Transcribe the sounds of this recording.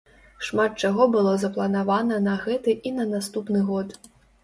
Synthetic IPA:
ʂmat̪̚t͡ʂaɣɔbɨlˠɔzɐplˠɐnavanɐnɐɣɛt̪ɨʔinɐnast̪upnɨɣɔt̪

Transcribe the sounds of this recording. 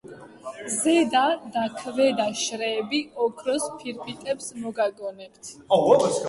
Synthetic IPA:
zɛd̪ad̪akʰvɛd̪aʃɾɛːbiɔkʰɾɔspʰiɾpʰit̪ʼɛpsmɔɡaɡɔnɛpt̪ʰ

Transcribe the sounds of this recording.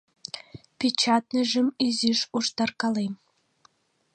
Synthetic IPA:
pʲet͡ɕɑt̪nə̆ʒə̆myzyʃuʃt̪ɑrkɑlem

